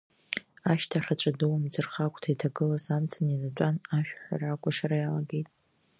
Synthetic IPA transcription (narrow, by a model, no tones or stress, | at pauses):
aʃtʰaχʲat͡ʃʷʼadɨwamd͡zɨrχakʷʰʼtʰajtʰaɡɨlazamt͡sʰʼaninat͡pʷʼanaʃᶣħa̰rakʷʼaʃaɾajalaɡejtʼ